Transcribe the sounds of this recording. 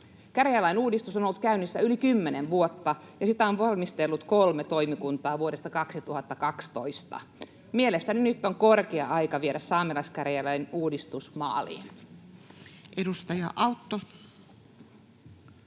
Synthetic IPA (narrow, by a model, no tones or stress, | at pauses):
kærjælɑinuːdist̪usonolːut̪̚kæynːisːæylikymːeneʋʋuot̪ːɑ | jɑsit̪æonʋɑlmist̪elːut̪kolmet̪oimikunt̪ɑːʋuode̞st̪ɑkɑksit̪uhɑt̪ːɑkɑkst̪oist̪ɑ̰ | mielest̪æninyt̪ːoŋkorkeɑʔɑjkɑʋieɾæssɑːmelɑiskærjælæjnuːdist̪usmɑ̰ːlḭːn | ʔedust̪ɑjɑʔɑwt̪ːo